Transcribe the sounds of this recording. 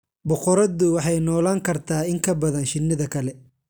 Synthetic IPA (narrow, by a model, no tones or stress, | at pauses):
bɔqɔɾɐðʊwɑħɑjnɔːlaːŋkʰɐrt̪ʰaːɪŋkʰɐbɐðɐnʃɪnːɪðɐkʰɐlɛ